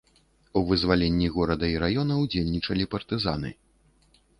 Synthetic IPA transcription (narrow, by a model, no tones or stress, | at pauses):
uvɨzvalʲenʲːiɣɔɾɐd̪ɐiɾajɔnɐwd͡zʲelʲnʲit͡ʂɐlʲipɐrt̪ɨza̰n̪ɨ̰